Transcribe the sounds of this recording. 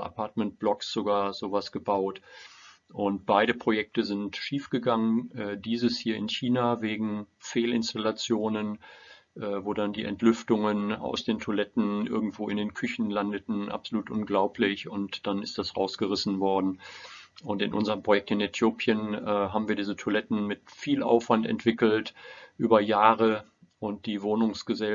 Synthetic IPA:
ʔa̰pʰaɐtmɛnt̚b̥lɔksz̥oɡaːɐz̥oːvasɡ̥əbaʊt | ʔʊnt̚b̥aɪɾəpʁ̥ojɛk̚təzɪntʃiːfɡ̥əɡaŋənʔɛːdiːzəshiːɐɪ̰nçiːnaːveːɡŋ̩feːlɪnstalat͡sjoːnən | ʔɛːvoːdandiːʔɛ̰ntʰlʏftʊŋəna̰ʊsd̥eːntʰolɛtn̩ʔɪ̰ɐɡŋ̩tv̥oːɪndeːnkʰʏçn̩landətn̩ʔa̰pz̥oluːtʔʊnɡlaʊpʰlɪçʊntd̥anɪstd̥asʁa̰ʊsɡ̥əʁɪsn̩vɔɐdn̩ʔʊntɪ̰nʔʊ̰nzəʁəmpʁ̥ojɛk̚tɪnetʰjoːpʰjənːɦaːbm̩viːɐdiːzətʰolɛtn̩mɪtfiːlʔa̰ʊfv̥antɛ̰ntv̥ɪkl̩tʔyːbɐjaːʁə | ʔʊnt̚d̥iːvoːnʊŋsɡ̥əzɛ

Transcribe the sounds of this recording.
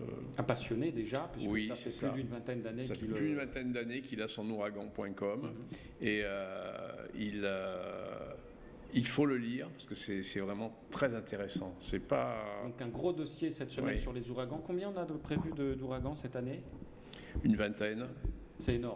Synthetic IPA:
apasjɔned̪eʒapɥiswisafɛyad̪ynvɛ̃t̪ɛnd̪anesakɛilpyynvɛ̃t̪ɛnd̪anekʲilasɔ̃nuʁaɡɑ̃pwɛ̃kɔm | eø | ilø | ilfoləliʁpaʁsə̥kəsɛsɛvʁɛmɑ̃t̪χɛzɛ̃t̪eʁesɑ̃sɛpad̪ɔ̃kɛ̃ɡʁod̪ɔsjesɛt̪səɛnsyʁlezuʁaɡɑ̃kɔ̃bjɛ̃ɔ̃nad̪əpχevyd̪əd̪uʁaɡɑ̃sɛt̪ane | ynvɛ̃t̪ɛn | sɛenɔʁm

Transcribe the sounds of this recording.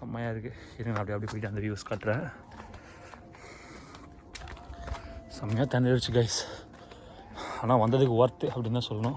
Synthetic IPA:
sɐmːɐjaːɪɾɯkːɯ | ɪɾɯɡnãːpːɽiɐpːɐɽipoːɪʈ̬ːɯɐnd̪ɐʋjuːskaːʈːɾẽ | sɐmɐjaːt̪ɐnɐɾɪt͡ʃːɯɡɐɪs | aːnaːʋɐnd̪ɐðɯkːɯoɾt̪ːɯɐpːɐɽɪnːt̪ãːsɔlːɐnʊ̃

